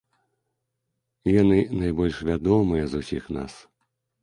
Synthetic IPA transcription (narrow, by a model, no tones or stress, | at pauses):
janɨnajbɔlʲʂvʲad̪ɔmɨjɐzusʲixna̰s